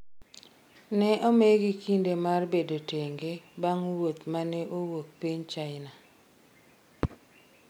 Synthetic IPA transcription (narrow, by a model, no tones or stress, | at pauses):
nɛʔomeɡikindemarbedoteŋɡebaŋwot̪manɛʔowok̚piɲt͡ʃaɪna